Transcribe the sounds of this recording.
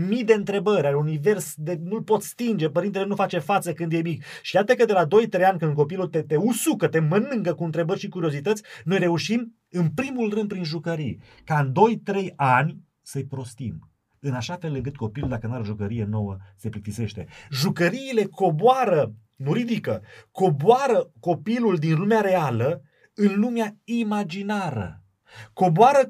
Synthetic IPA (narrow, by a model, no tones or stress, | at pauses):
mid̪e̞ɨnt̪ɾe̞bəɾʲaɾunive̞rsd̪enulpo̞t̪st̪ind͡ʒe̞pəɾint̪elenufat͡ʃe̞fat̪səkɨnd̪jemik | ʃijat̪əkəd̪e̞lad̪o̞jt̪ɾe̞janʲkɨnd̪k̬o̞pilult̪et̪e̞usukət̪e̞mənɨŋkəkuɨnt̪ɾe̞bərʲʃikuɾio̞zit̪ət̪sʲno̞jre̞uʃim | ɨnpɾimulrɨnd̪pɾinʒukəɾij | kaɨnd̪o̞jt̪ɾe̞janʲ | səjpɾo̞st̪im | ɨnaʃafe̞lːɨŋk̬ɨt̪̚ko̞piluld̪akənaɾoʒukəɾije̞no̞wəse̞pɾikt̪ise̞ʃt̪e̞ʒukəɾiːle̞ko̞boaɾə | nuɾid̪ikəko̞boaɾəko̞piluld̪inlumeaɾe̞alə | ɨnlumeaimad͡ʒinaɾə̰ | ko̞boaɾə